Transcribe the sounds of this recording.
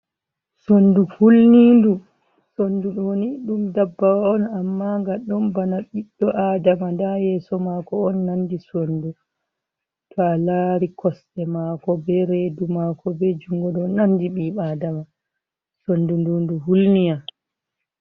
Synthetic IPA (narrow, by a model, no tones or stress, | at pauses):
sonduhulnindu | sonduɗɔniɗumdabːawaɔnamːaŋɡaɗɔnbanaɓiɗːɔʔaːdamandajɛsɔmakɔɔnːandisondu | tʰɔalaːɾikʰɔsɗɛmakɔbɛɾedumakʰɔbɛd͡ʒuŋɡɔɗɔnandiɓiːɓadama | sondundunduɦulnija